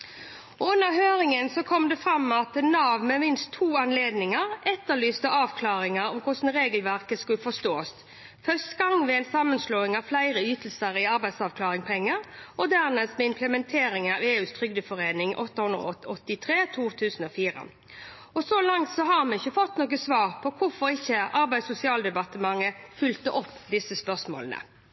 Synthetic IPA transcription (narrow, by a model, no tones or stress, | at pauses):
ɔʉnːəɾhøːɾɪŋənsɔkʰɔmd̪ɛfɾɑmːɑt̪ɛnɑːʋmɛmɪnst̪ʰːuːɑnleːd̪nɪŋəɾʔɛt̪ːəɭyːst̪əʔɑːʋkʰlɑːɾɪŋəɾɔmkʰʊʂn̩ɾeːɡəlʋæʁkəskʉlfɔst̪oːst̪ | fœst̪ɡɑŋʋɛæɪnsɑmːənsloːɪŋɑflæɪɾəyːt̪l̩səɾɪɑɾbæɪsɑːʋkʰlɑːʁɪŋpʰɛŋːəɾɔd̪æʁnɛst̪mɛɪmpʰləmɛnt̪ʰeːɾɪŋɑʋeːʉːst̪ʰʁʏɡd̪əfɔʁeːnɪŋʔɔ̰t̪ːəhʉnd̪ʁə̰ɔt̪ːɪt̪ʰʁeːt̪ʰuːt̪ʰʉːsn̩ɔfiːʁə̰ | ɔsɔlɑŋt̪sɔɦɑmɛɪçəfɔt̪ːnoːɡəsʋɑːʁpʰɔkʰʊfɔɾɪçːəʔɑɾbæɪsʊsɪɑːld̪ɛbɑt̪əmɑŋːəfʏlt̪əʔɔpːd̪ɪsəspœʁsmo̰ːlənə̰